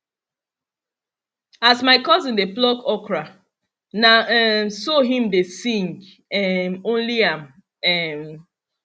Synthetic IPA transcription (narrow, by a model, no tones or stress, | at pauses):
asmaɪkɔzɪ̃ndeplɔkɔkɹa | naɛmsoɦĩmdesĩŋɡ | ɛmõnliãm | ɛm